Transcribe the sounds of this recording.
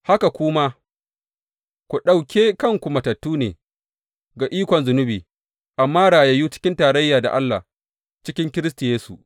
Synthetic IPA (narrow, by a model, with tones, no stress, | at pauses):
ha˦ka˨kʷʊ˦ma˦ | kʷu˨ɗa˨wkʲeː˦kɐ˦ŋkʷu˨mɐ˨tɐ˨tːuː˦nḛː˨ | ɡa˨ʔiː˦kʷɔ˨nzʊ˨nʊ˦biː˨ | ʔa˨mːaː˦ɽaː˨je˦ju˦t͡ʃɪ̥˦kʲɪ˦ntaː˨ɾɐ˦jːaː˨da̰˨ʔa˦lːa̰˨ | t͡ʃɪ˦kʲɪ˦ŋkʲɪ˦ɾɪ˦s̬tu˨jeː˦su˨